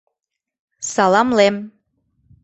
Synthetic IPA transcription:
sɑlɑmlem

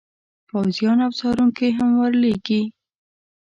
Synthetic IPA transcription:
pawzjɑnawsɑɾuŋkeɦamwəɾleɡi

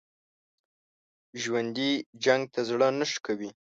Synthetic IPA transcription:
ʒwand̪id͡ʒaŋɡ̚t̪ʰazɽənəʃkawi

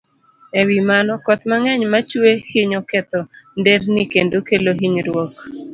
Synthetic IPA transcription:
ewimanɔkɔt̪maŋɛɲmat͡ʃwehiɲɔkɛt̪ɔndeɾnikendokeloɦiɲɾwɔk

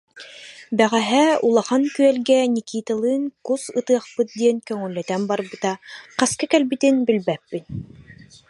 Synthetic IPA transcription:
bæʁæɦɛulˠɑχaŋkyɛlɡɛnʲikiːt̪alˠɯːŋkusɯt̪ɯɐχpɯt̪̚d̪iɛnkœŋœlːɛt̪ɛmbɑɾbɯt̪ɑqæskɛkɛlbit̪ɘnbɘ̆lbæpːit̪̚

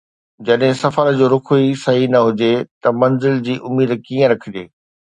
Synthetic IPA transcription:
d͡ʑɐɗɦɪ̃sɐfəɾd͡ʑoːɾʊkʰuisɐɦinɐɦʊd͡ʑet̪ɐmɐ̃nzɪld͡ʑiːʔʊmiːd̪kiːə̃ɾɐkʰɪd͡ʑeː

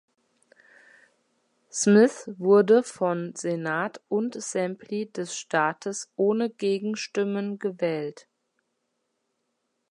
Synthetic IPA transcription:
smɪθvʊɐdəfɔnzenaːtʔʊntz̥ɛmplidɛsʃtʰaːtʰəsʔoːnəɡeːɡŋ̩ʃtɪmənɡəvɛːlt

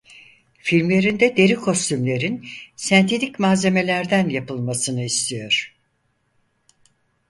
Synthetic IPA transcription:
filʲmlʲe̞ɾind̪ɛd̪e̞ɾikʰo̞st̪ʰymlʲe̞ɾinsænt̪ʰed̪icmaze̞me̞lʲæɾd̪ænjapɯlˠmasɯnɯist̪ʰijo̞ɾ̝̥

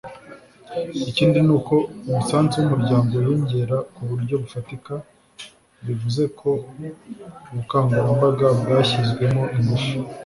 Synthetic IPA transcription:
iciːndinuːko̞uβusaːnzeumuɾɟaːmɡo̞wiːɲɟeɾakuβuɾɟo̞βufatika | βivuze̞kʰo̞ | uβukaːŋɡuɾambaɡabɡaːçizɡwe̞mo̞ʔimuʃo̥

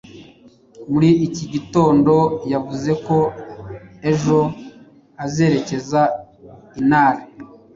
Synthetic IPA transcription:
muɾiːciɟito̞ːndo̞javuze̞ko̞ | e̞ʒo̞ | aze̞ːɾe̞ce̞za | inaːɾa

